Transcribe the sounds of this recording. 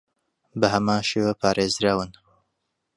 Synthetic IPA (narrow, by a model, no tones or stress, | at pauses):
bɐɦɐmaːnʃeːwaːpʰaːɾʔeːzɾaːwɨn